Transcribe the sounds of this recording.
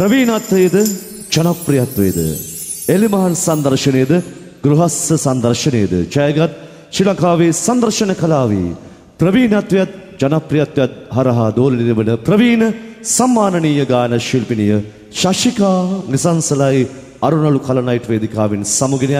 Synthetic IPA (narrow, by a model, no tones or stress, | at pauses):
pɾɐʋiːnɐt̪ʋeːd̪ɨ | d͡ʒɐnɐpɾijɐt̪ʋḛːd̪ɨ̰ | elimɐɦɐnsɐnd̪ɐɾʃɐneːd̪ɨ | ɡɾuɦɐsɐsɐnd̪ɐɾʃɐneːd̪ɨ̰t͡ʃɐjɐɡɐt̪̚ | ʃilɐkaːʋeːsɐnd̪ɐɾʃɐnɐkɐlaːʋḭ | pɾɐʋiːnɐt̪ʋjɐt̪̚ | d͡ʒɐnɐpɾijɐt̪ʋjɐt̪̚ɦɐɾɐɦɐd̪oːlɐniniʋɐnɨpɾɐʋiːnɐsɐmːaːnɐniːjɐɡaːnɐʃilpinijɐ | ʃɐʃikaːnisɐnsɐlaːji | ɐɾunɐɭukʰɐlɐnɐjʈʋeːd̪ikaːʋinsɐmuɡin